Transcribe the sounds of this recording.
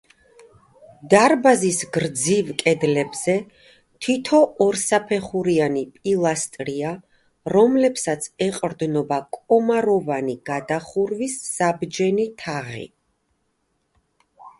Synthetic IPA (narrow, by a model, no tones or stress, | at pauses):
d̪aɾbazisɡɾd̪zivkʼɛd̪lɛbz̥ɛ | t̪ʰit̪ʰɔɔɾsapʰɛχuɾianipʼilˠast̪ʼɾia | ɾɔmlɛpsat̪sʰɛqʼɾd̪nɔbakʼɔmaɾɔvaniɡ̥ad̪aχuɾvisːabd͡ʒɛnit̪ʰaʁḭ